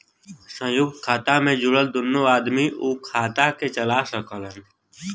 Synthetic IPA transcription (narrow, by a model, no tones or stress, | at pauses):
sə̃juɡkʰaːt̪amẽd͡ʒʊɽəld̪ʊnːoaːd̪miʔuːkʰaːt̪aket͡ʃəlaːsəkələn